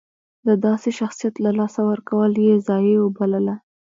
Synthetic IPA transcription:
d̪əd̪ɑseʃaxsijat̪lalɑsawəɾkawəljezɑjewobaləla

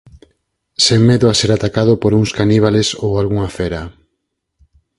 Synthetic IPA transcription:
seŋmeðʊaseɾat̪akaðopoɾuŋskaniβ̞alesowalɣuŋafeɾa

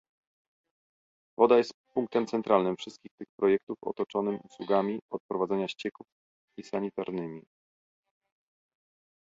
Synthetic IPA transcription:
vɔd̪ajɛst̪puŋk̚t̪ɛmt̪sɛnt̪ɾʔalnɘmfʂɘst̪kʲixt̪ɘxpɾɔjɛk̚t̪ufɔ̰t̪ɔt͡ʂɔnɘmuswuɡamʲiɔt̪̚pɾɔvad̪zɛɲaɕt͡ɕɛkuf | isaɲit̪aɾnɘmʲi

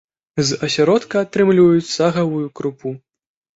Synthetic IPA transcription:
zɐsʲaɾɔt̪kɐat̪ɾɨmlʲivɐjut͡sʲsaɣɐvujukɾupu

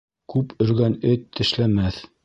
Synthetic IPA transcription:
kʉpɵ̆ɾɡænɘt̪ʰːɘ̆ʃlæmæθ

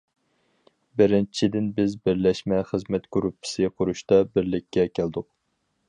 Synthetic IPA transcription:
bɪɾɪnt͡ʃʰid̪ɪnbɪzbɪɾlɛʃmɛχəzmɛt̪ɡ̥uɾupʰːɪ̥sɨqʰʊɾuʃt̪ɑbɪɾlɪkʲʰːɛkʲʰæld̪ʊq

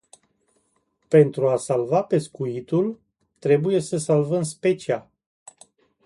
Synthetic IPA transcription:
pe̞nt̪ɾuasalvape̞skuit̪ul | t̪ɾe̞buje̞səsalvəmspe̞t͡ʃia

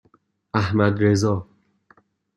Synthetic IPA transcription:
æhmæd̪ɾezɒː

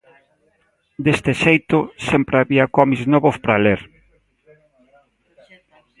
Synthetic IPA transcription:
d̪est̪ɪʃejt̪ʊsempɾeaβiɐkɔmiznɔβʊspɾaleɾ

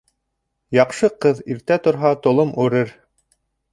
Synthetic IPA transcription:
jɑqʃɤqɤðiɾt̪æt̪ŏɾɦɑt̪ŏlˠomʉɾɘɾ

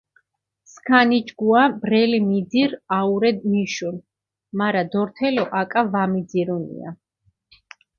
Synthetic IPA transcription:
skʰanid͡ʒɡuabɾɛlimid̪ziɾauɾɛd̪miʃun | maɾad̪ɔɾt̪ʰɛlɔʔakʼavamid̪ziɾunḭa̰

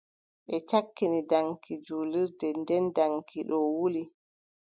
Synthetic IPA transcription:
ɓɛt͡ʃakːinidaŋkid͡ʒuːliɾdɛndɛndaŋkiɗɔwuli

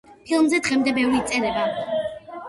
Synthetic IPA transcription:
pʰilˠmzɛd̪ʁɛmd̪ɛbɛvɾiːt̪sʼɛɾɛba

